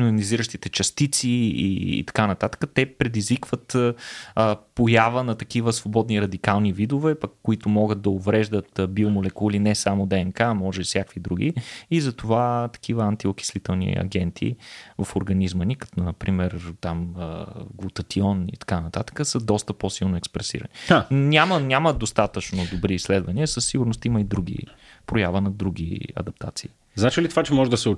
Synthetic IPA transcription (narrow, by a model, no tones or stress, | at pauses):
nʊniziɾəʃt̪it̪ɛt͡ʃɐst̪it̪siḭːt̪ɐ̥kanɐt̪at̪ə̥kət̪ɛpɾɛd̪izvikvət̪ | əpojavənɐt̪ɐk̟ivəsvobɔd̪niɾɐd̪ikalˠnivid̪ʊvɛpɐkːoit̪ʊmɔɡət̪̚d̪ɐovɾɛʒd̪ət̪bilˠmolɛkulinɛsamʊd̪ɛɛnkaːmɔʒɛbifsʲjakvid̪ɾuɡʲḭːzɐt̪ovat̪ɐ̥kʰivəant̪iok̟i̥slit̪ɛlˠnḭɐ̰ɡɛnt̪ʰḭvɐfoɾɡɐnizmənikɐ̥t̪ɔnɐpɾimɛɾt̪aməɡvut̪ɐt̪iɔnḭt̪ɐ̥kanɐt̪at̪ə̥kəsəd̪ɔst̪əposilˠnoɛkspɾɛsḭɾə̰ninʲamənʲaməd̪ost̪at̪ət͡ʃnod̪obɾiːsːlɛd̪vɐniəsəsːiɡʊɾnost̪iməid̪ɾuɡ̟ḭ | pɾojavənɐd̪ɾuɡ̟ḭɐ̰d̪ɐp̚t̪ʰa̰t̪siː | znat͡ʃilit̪ovat͡ʃɛmɔʒɛd̪ɐsɛo